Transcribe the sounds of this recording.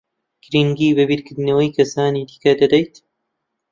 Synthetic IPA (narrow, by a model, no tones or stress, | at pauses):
ɡɾiŋɡiːbɨbiːɾkɨɾd̪ɨnɐwɐjkʰɐsaːniːd̪iːkɐd̪ɐd̪ɐjt̪